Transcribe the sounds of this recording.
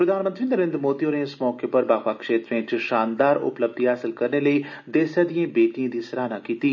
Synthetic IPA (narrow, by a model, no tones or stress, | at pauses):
pɾəd̪ʱaːnmənt̪ɾiːnəɾẽːnd̪ɾmoːd̪ioːneɪsmɔːkepəɾbaːxwaːkʃeːt̪ɾẽːt͡ʃʃaːnd̪aːɾʊ̰pləb̚d̪ʱiɦaːsɪlkəɾneləiːd̪eːsjaːd̪iẽːbeːʈijãːd̪iːsəɾaːnaːkiːt̪iː